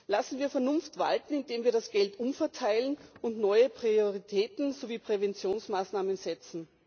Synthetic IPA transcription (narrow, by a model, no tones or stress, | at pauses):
lasn̩viːɐfɛɐnʊnftv̥a̰ltn̩ɪndeːmviːɐɾasɡ̥ɛltʔʊmfɛɐtʰaɪlənʊntnɔʏəpʁ̥ioʁitʰɛːtn̩zoviːpʁ̥evɛnt͡sjoːnsmaːsnaːmənzɛt͡sn̩